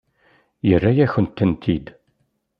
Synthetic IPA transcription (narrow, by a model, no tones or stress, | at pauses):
jərːæjæçənt̪ːənt̪ʰid̪